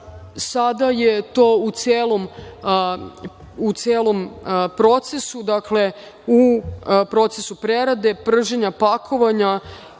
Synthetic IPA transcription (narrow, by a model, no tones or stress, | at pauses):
sad̪aje̞t̪o̞ːut̪sjeːlˠo̞m | ut̪sʲjeːlˠo̞mpɾo̞t̪se̞sud̪akle̞ | upɾo̞t̪sesupɾe̞ɾad̪e̞pr̩ʒeɲapakʰo̞ʋaɲa